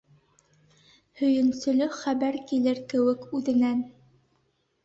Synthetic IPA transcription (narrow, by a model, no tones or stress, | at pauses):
hɵ̆jɘ̆nsɵ̆lɵχæβæɾkilɘɾkɘ̆wɘkʉðɘ̆næn